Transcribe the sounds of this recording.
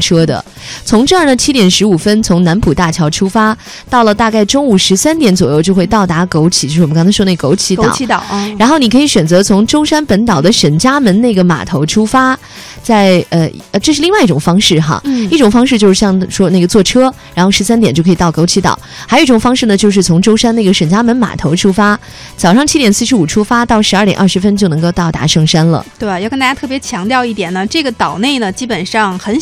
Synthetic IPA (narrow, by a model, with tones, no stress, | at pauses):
ʈ͡ʂʰɤ˥d̪ə̰˨ | t͡sʰʊ˧˥ŋʈ͡ʂɤ˥˧ə˞˥˩nə˩t͡ɕʰi˥t̪jɛ˨˩nʂɻ̩˧˥u˨˩fə˥nt͡sʰʊ˧˥ŋna˧˥npʰu˨˩t̪a˥˩t͡ɕʰjɑ˧˥ʊʈ͡ʂʰu˥fa˥ | t̪ɑ˥˩ʊlə˩t̪a˥˧ka˥˩ɪʈ͡ʂʊ˥ŋu˨˩ʂɻ̩˧˥sa˥nt̪jɛ˧˥nt͡swɔ˨˩jo˥˧t͡ɕjo˥˧ʊxwe˥˧ɪt̪ɑ˥˩ʊt̪a˧˥ko˧˥ʊt͡ɕʰi̥˨˩t͡ɕo˥˧ʂ̩˥˩˨m˧˥ɑ˥ŋt͡sʰwɔ˥ne˥˩əko˧˥ʊt͡ɕʰi˧˥˧ɑ˨˦˧t̪ɻa˧˥nxo˥˩ʊni˨˩kʰi˧˥ɕɥɛ˨˩nt͡sɤ˧˥t͡sʰʊ˧˥ŋʈ͡ʂʊ˥ʊʂa˥npə˧˥nt̪ɑ˨˩ʊd̪ə˦ʂə˧˥nt͡ɕja˥mə˧˥nne˥˩ɪɡə˩ma̰˨˩t̪ʰo˧˥ʊʈ͡ʂʰu˥fa˥ | t͡sa˥˩ɪə˧ə˧ʈ͡ʂɤ˥˧ʂɻ̩˥˧li˥˧ŋwa˥˧ɪi˥˩ʈ͡ʂʊ˨˩ŋfɑ˥ŋʂɻ̩˥˩xa̰˧˩i˥˩ʈ͡ʂʊ˨˩ŋfɑ˥ŋʂɻ̩˥˧t͡ɕjo˥˧ʊʂɻ̩˥˧˩ɕjɑ˥˩ŋʂwɔ˥ne˥˩ɡə˩t͡swɔ˥˩ʈ͡ʂʰɤ˥ɻɻa˧˥nxo˥˩ʂɻ̩˧˥sa˥nt̪jɛ˨˩nt͡ɕjo˥˩kʰi˨˩t̪ɑ˥˩ʊko˥ʊt͡ɕʰi˧˥t̪ɑ̰˨˩˦xa˧˥o˨˩˦i˥ʈ͡ʂʊ˨˩ŋfɑ˥ŋʂɻ̩˥˩nə˩t͡ɕjo˥˧ʊʂ̬ɻ̩˥˩t͡sʰʊ˧˥ŋʈ͡ʂo˥ʊʂa˥ne˥˩ɡə˩ʂə˨˩nt͡ɕja˥mə˧˥nma̰˨˩t̪ʰo˧˥ʊʈ͡ʂʰu˥fa˥ | t͡sɑ˨˩ʊʂɑ˥˩ŋt͡ɕʰi˥t̪jɛ˨˩nsɹ̩˥˩ʂɻ̩˧˥u˨˩ʈ͡ʂʰu˥fa˥t̪ɑ˥˩ʊʂɻ̩˧˥˧tjɛ̰˨˩nʔɐ˥˩ʂɻ̩˧˥fə˥nt͡ɕjnɤ˧˥ŋko˥˧ʊt̪ɑ˥˩ʊt̪a̰˧˥ʂɤ˥˩ŋʂa˥nlə̰˨t̪we˥˩ɪjkə˥˧nt̪a˥˩ja˥t̪ʰɤ˥˩pjɛ˧˥t͡ɕʰjɑ˧˥ŋt̪jɑ˥˧ʊi˥˩t̪jɛ˨˩nə˦ʈ͡ʂɤ˥˩ɡə˩t̪ɑ˨˩ʊne˥˩ɪnə˩t͡ɕi˥pə˨˩nʂɑ˥˩ŋxə˧˥n